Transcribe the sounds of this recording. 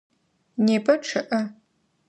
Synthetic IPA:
neːbʰɐʈ͡ʂʰɨʔɐ

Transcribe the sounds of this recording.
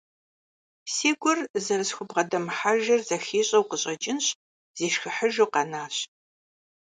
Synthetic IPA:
seːɡʷʊrzɐɾɨsxʷʊbʁɐdɐmħaʒɐrzɐxiːɕʼɐwqəɕʼɐt͡ʃʼɪnɕ | z̥eːʃxɨħəʒowqɐnaːɕ

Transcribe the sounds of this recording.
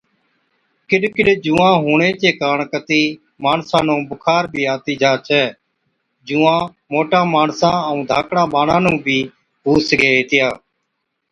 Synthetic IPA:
kɪɗkɪɗd͡ʒũːãːɦuːɳeːt͡ʃeːkaːɳkət̪iː | maːɳsãːnũːbʊkʰaːɾbʱiːaːt̪iːd͡ʒaːt͡ʃʰɛː | d͡ʒuːãː | moːʈãːmaːɳsãːəũːd̪ʱaːkʰɽãːɓaːnãːnũːbʱiː | ɦuːsəɡeːɦeːt̪ɪjaː

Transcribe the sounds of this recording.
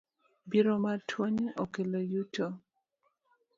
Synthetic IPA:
biɾomatʰwoɲokelojuto

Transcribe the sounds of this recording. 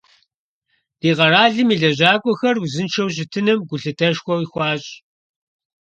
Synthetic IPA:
d̥iːʁɐraːɮɨmiɮɐʑaːkʷʼɔxɐruzɨnt͡ʃʰɐwɕ̬ɪtʰɨnɨmɡʷʊɬɨtʰɐʃxʷɔwixʷɑːɕʼ

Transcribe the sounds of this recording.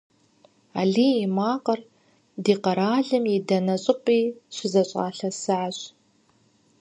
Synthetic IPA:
a̰ːɮiːimaːqɐr | diːqɐɾaːɮɨmjidɐnɐɕʼɪqʷʼiːɕʷɪzɐɕʼa̰ːɬɐsɨʕaɕ

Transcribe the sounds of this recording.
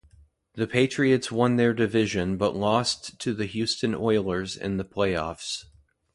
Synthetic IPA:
ðɨpʰeɪt͡ʃɹ̥iɨtswʌ̃nðə˞dɨvɪʒɨ̃nbʌʔlɔsttʰɨðɨɦjʉstɨ̃nɔɪlˠə˞zɨ̰̃nðəpʰl̥eɪɔ̰fs

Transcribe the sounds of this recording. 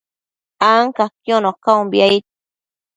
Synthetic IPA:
aŋkakjonokaumbiait̪̚

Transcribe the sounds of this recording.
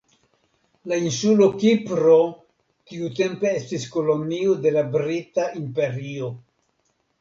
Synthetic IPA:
lainsulo̞kipɾo̞ | tiute̞mpe̞estisko̞lo̞niode̞labɾitaʔimpe̞ɾio̞

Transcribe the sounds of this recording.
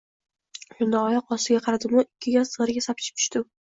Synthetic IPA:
ʊnd̪aɒjɒqɒst̪ɪɡʲaqʰɑɾad̪ɪmʊɪkʲʰːɪɡʲazsəʁɾɡʲasap̚t͡ʃʰɪ̥p̚t͡ʃʰʊ̥ʃt̪ɪ

